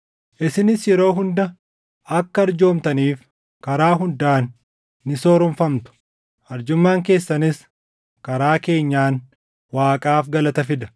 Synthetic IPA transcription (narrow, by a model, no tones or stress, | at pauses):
ʔɪsɪnɪsjɛɾo̞ːɦʊnd̪ɐ | ʔɐkːɐɐɾd͡ʒo̞ːmt̪ɐniːf | kɐɾaːɦʊnd̪aːnː | ɪso̞ːɾʊɱfɐmt̪ʊ̥ | ɐɾd͡ʒʊmːaːŋke̞ːsːɐnɪs | kɐɾaːke̞ːɲːaːn | waːkʼaːfɡɐlɐt̪ɐfɪd̪ɐ̥